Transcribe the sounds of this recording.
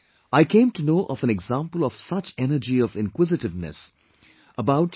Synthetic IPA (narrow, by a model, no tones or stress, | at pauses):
aɪkʰẽɪ̃mtunoːʔɔvə̃nɛɡzãmpəl̩ˠɔv̥sʌt͡ʃɛnəɾd͡ʒiɔvɪ̃nkwɪzɨtɨvnɨ̰s | əbaʊʈ